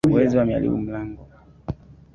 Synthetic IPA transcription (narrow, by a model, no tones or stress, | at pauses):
uwɛziwamia̰lḭɓṵm̩laŋɡɔ